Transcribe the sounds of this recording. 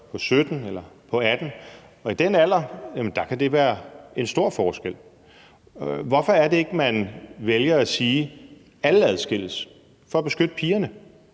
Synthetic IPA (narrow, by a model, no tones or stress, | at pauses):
pʰɒ̽sød̥n̩elɐpʰɒ̽æd̥n̩ | ɒ̽id̥enæl̰ɐjæmənd̥ɑ̈kʰæd̥e̝ʋæːɐe̝nsd̥o̝ɐ̰fɒːsɡ̥el̰ | ʋɒfɒ̽æɐde̝e̝ɡ̥əmænʋeljɐæsiː | æl̩æð̞ˠsɡ̥e̝l̰̩s | fɒ̽æb̥e̝sɡ̥ød̥əpʰiːɐnə